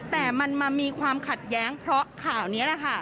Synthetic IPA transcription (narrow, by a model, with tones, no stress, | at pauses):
t̪ɛː˨˩ma˧nmaː˧miː˧kʰwaː˧mkʰa˨˩t̪̚jɛː˦˥ŋpʰɾɔ˦˥kʰaː˨˩wni˦˥ɐlɛ˨˩kʰa˥˩